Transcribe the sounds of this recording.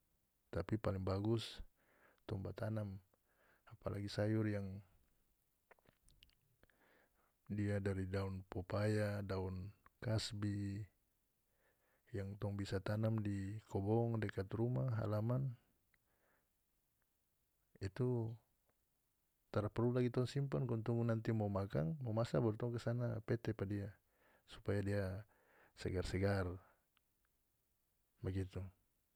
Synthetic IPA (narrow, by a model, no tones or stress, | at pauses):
t̪apipaliŋbaɡus | t̪ɔŋbat̪anam | apalʔa̰ɡisajurjaŋ | diadaɾidaunpɔpajadaunkasbi | jaŋt̪ɔŋbisat̪anamdikʰɔbɔŋdɛkat̪rumaɦa̰laman | it̪u | t̪aɾapɛrulaɡit̪aunsimpɔnkɔnt̪uŋɡunant̪imɔmaka̰ŋmɔmasabɔɾt̪ɔŋkəsanapɛt̪ɛpadia | su̥pajadia | sɛ̰ɡarsɛɡar | baɡit̪u